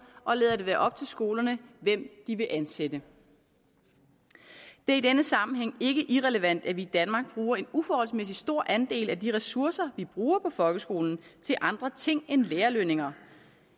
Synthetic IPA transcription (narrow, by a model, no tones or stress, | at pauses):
ʔɒ̽leːðˠɐd̥e̝ʋæːɐʔɒ̽b̥̚t͡sʰe̝lsɡ̥o̝ːlɐnəʋem̰d̥iʋe̝ʔænsed̥ə | d̥e̝ɐid̥enəsɑ̈mn̩ɦeŋ̰e̝ɡ̥əʔiʁɛləʋæn̰d̥æʋiːd̥ænmɑ̈ːɡ̥̚b̥ʁuːɐe̝nufɒːhɒ̽lsmes̬isd̥o̝ɐ̰ʔænd̥e̝̰ːlæd̥iʁɛsuɐ̰sɐʋib̥ʁuːɐpʰɒ̽fɒ̽lɡ̥əsɡ̥o̝ːln̩t͡sʰe̝lʔɑ̈nd̥ʁɐt͡sʰe̝ŋ̰enleːɐløne̝ŋɐ